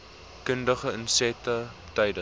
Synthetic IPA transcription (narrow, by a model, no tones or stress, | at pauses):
kəndəχəənsɛtə | tɐjdə